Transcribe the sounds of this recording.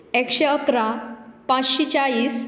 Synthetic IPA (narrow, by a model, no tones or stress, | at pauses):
ekɕeəkɾapãt͡sɕit͡ɕaɭiːs